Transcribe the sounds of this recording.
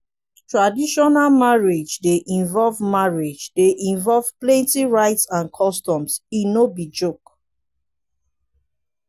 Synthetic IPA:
tɹadiʃɔnalmaɹed͡ʒdeʔĩnvɔlvmaɹed͡ʒdeʔĩɱvɔlvplɛ̃ntiɹaɪtsãnkʰɔstɔ̃msinobid͡ʒok

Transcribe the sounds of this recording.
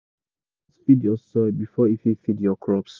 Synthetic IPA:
sfidiɔsɔbifɔififidjɔkʰɹɔps

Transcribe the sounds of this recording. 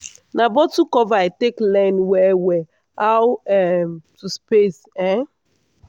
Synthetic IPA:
nabɔtukɔvaateklɛ̃nwɛwɛ | awɛmtuspes | ɛ̃

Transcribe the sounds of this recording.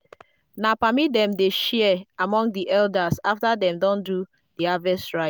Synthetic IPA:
napamit̚dɛ̃mdeʃɛɛamɔ̃ŋdiʔɛldasaftadɛ̃mdɔ̃ndu | diavɛstɹaɪ

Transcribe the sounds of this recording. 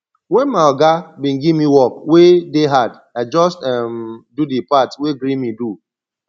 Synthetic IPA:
wɛnmaɔɡabĩnɡivmiwɔkwedeɦad | ad͡ʒɔstɛmdudipatweɡɾĩmidu

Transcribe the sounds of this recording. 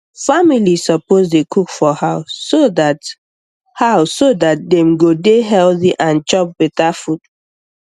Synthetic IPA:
familisɔpozdekʰukfɔhaʊsːoðat | haʊsːodat̚dɛ̃mɡodeɦɛlθiʔãnt͡ʃɔp̚bɛtafud

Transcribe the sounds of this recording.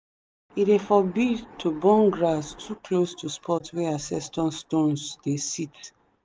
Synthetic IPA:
idefɔbitʰubɔ̃ŋɡɹastʰuklostʰuspʰɔtwɛasɛstɔ̃nstõnsdesit

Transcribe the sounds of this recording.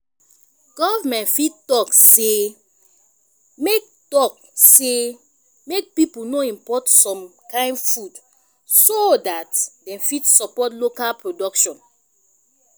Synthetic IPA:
ɡ̥ɔvamɛ̃ntfittɔkse | mek̚tɔk̚ | se | mek̚pipunoĩmpɔtsɔ̃mkãɪ̃nfud | sodatdɛ̃mfitsɔpɔtlokalpɹodɔkʃɔ̃n

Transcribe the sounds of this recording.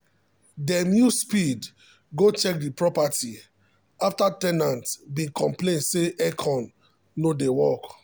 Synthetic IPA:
dɛmjuspid | ɡot͡ʃɛk̚dipɹɔpati | aftatɛnãntbĩkɔ̃mplẽnseʔɛkʰɔ̃nː | odewɔk

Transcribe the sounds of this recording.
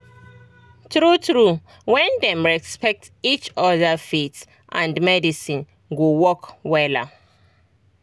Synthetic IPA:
tɹutɹu | wɛ̃ndɛ̃mɹɛspɛk̚tit͡ʃɔðafits | ʔãndmɛdisĩn | ɡowɔkwɛla̰

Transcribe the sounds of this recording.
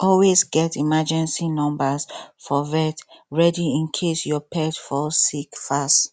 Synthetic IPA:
ɔlwezɡɛtimad͡ʒɛ̃nsinɔ̃mbasfɔvɛtɹɛdiĩnkʰesjɔpʰɛtfɔsikfast

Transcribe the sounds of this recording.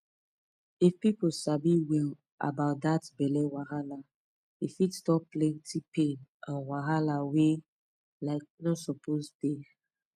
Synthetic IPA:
ifpiposabiwil | a̰baʊt̚datbɛlɛwahala | ifitstɔpplɛ̃ntʰipẽnãnwaɦalawe | laɪk̚nɔsɔpʰosbe

